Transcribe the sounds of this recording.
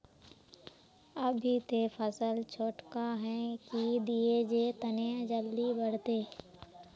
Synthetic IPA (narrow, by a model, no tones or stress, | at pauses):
əbʱit̪efʰəsəlt͡ʃʰoːʈkaɦɛ̃kid̪ied͡ʒet̪ənẽd͡ʒəld̪ibəɽ̤t̪eː